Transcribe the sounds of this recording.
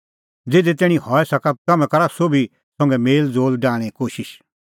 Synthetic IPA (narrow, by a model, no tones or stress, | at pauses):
d͡zeːd̪ɛt̪̬ɛːɽ̃ĩhɔːɛsɐkat̚kɐmɛ̃kɐɾasobi | sɔ̃ŋɡɛmeːld͡zoːlɖaːɽ̃ɛ̃koːʃɪʃ